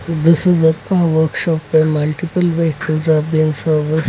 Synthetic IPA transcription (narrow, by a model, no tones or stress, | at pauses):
d̪ɪsɪzəkaʋəɾkʃɔpɛmɐlʈipəlʋekəzabĩnsəɾʋɪs